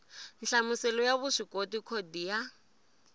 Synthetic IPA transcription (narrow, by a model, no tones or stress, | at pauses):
n̩ɬamʊsɛlɔjaβʊʂikʼotikʰodija